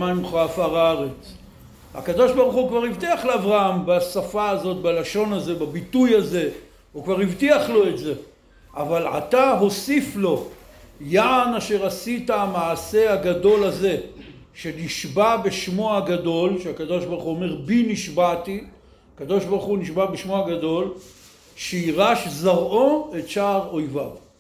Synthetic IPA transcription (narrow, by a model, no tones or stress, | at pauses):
maimχoafaʁaaʁet͡s | ha̰kad̪o̞ʃbaʁuχukvaʁivt̪iaχleavʁahambasafaːzo̞t̪̚balaʃo̞naze̞babitujaze̞ | ukvaʁivtiaχlo̞e̞tze̞ | ʔavala̰t̪aɦo̞siflo̞jaʕanaʃe̞ʁasitaamaʕːse̞aɡado̞laze̞ | ʃe̞niʃbabe̞ʃmoaɡado̞lʃeakad̪o̞ʃbaʁχuome̞ʁbiniʃbat̪i | akad̪o̞ʃbaʁχuniʃbabeʃmoaɡad̪o̞l | ʃeiʁaʃzaʁʔo̞e̞tʃaːʁo̞jvav